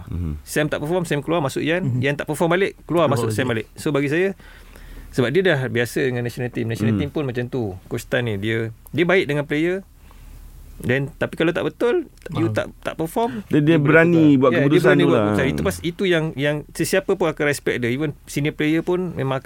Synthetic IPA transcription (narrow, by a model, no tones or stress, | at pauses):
sɛmt̪aʔpəfɔmsɛmkəluamasʊʔjanjant̪aʔpəfɔmbalɪʔkəluarmasʊʔsɛmbalɪʔsobaɡis̬aja | səbap̚diədahbiasədəŋanːasionalt̪imnasionat̪impʊnmãt͡ʃamt̪ukust̪anidiə | diəbaɪʔ̚dəŋanplejə | dɛnt̪apikalawt̪a̰ʔbət̪ʊl | jut̪a̰ʔt̪a̰ʔpəfɔmdɛdiəbəɾanibuaʔaut̪usbəaɾanibuaʔɡuɾusaniupasit̪ujaŋjaŋsəsiapəpʊnakanrɛspɛk̚dəivənsiniəplejəpʊnmẽmãŋ